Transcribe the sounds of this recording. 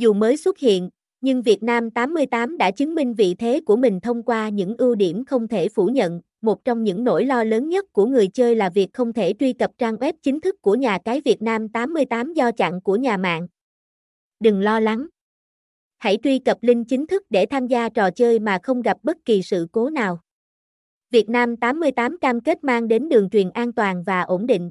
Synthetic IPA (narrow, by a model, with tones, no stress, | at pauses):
zu˨˩məː˨˦jswə˦˥t̚hḭ˧˨ən | ɲɨ˧ŋvi˨˩ət̚naː˧mt̪aː˨˦mːɨ˧əjt̪aː˨˦mɗa̰ː˧˥t͡ɕɨ˨˦ŋmï˧ŋ̟vḭ˧˨t̪ʰe˨˦ku˧˩əmï˨˩ŋ̟t̪ʰə˧wŋ͡mkwaː˧ɲɨ̰˧˥ŋʔɨ˧wɗi˧˩əmxə˧wŋ͡mt̪ʰe˧˩fu˧˩ɲə̰˧˨n | mo˨˩t̚t͡ɕɔ˧wŋ͡mɲɨ̰˧˥ŋno̰˧˥jlɔ˧ləː˨˦nɲə˦˥t̚ku˧˩əŋɨ˨˩əjt͡ɕəː˧jlaː˨˩vi˨˩ək̚xə˧wŋ͡mt̪ʰe˧˩t͡ɕwi˧kə˨˩p̚t͡ɕaː˧ŋʔwɛ˦˥p̚t͡ɕï˨˦ŋ̟t̪ʰɨ˦˥kːu˧˩əɲaː˨˩kaː˨˦jvi˨˩ət̚naː˧mt̪aː˨˦mːɨ˧əjt̪aː˨˦mzɔ˧t͡ɕa̰˧˨ŋku˧˩əɲaː˨˩ma̰ː˧˨ŋ | ɗɨ˨˩ŋlɔ˧la˨˦ŋ | ha̰˧˩jt͡ɕ̪wi˧kə˨˩p̚lï˧ŋ̟t͡ɕï˨˦ŋ̟t̪ʰɨ˦˥k̚ɗe˧˩t̪ʰaː˧mzaː˧t͡ɕɔ˨˩t͡ɕəː˧jmaː˨˩xə˧wŋ͡mɣa˨˩p̚ɓə˦˥t̚ki˨˩sɨ̰˧˨ko˨˦naː˨˩w | vi˨˩ət̚naː˧mt̪aː˨˦mːɨ˧əjt̪aː˨˦mkaː˧mke˦˥t̚maː˧ŋɗe˨˦nɗɨ˨˩əŋt͡ɕwi˨˩ənʔaː˧nt̪waː˨˩nvaː˨˩ʔo˧˩nɗḭ˧˨ŋ̟